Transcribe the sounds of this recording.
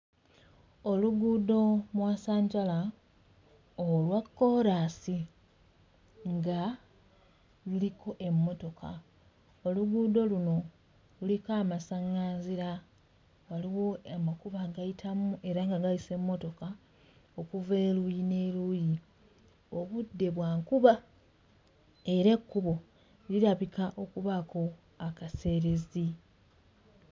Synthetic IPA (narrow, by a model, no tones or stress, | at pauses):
o̞luɡudo̞mwasaːɲɟala | olwakːo̞ɾaːsi | ŋɡa | luliko̞ʔe̞mːo̞to̞kʰa̰ | oluɡud̪o̞luno̞ | lulikaːmasaŋaːnziɾa | waliwo̞amakuβaɡajitʰamuʔe̞ɾaŋɡaɡaise̞mːo̞to̞ka | okuve̞ːlujine̞luji | o̞βudːe̞βwaːŋkuβa | e̞ɾe̞kːuβo̞ | liɾaβikaʔo̞kuβako̞ | akase̞ːɾe̞zi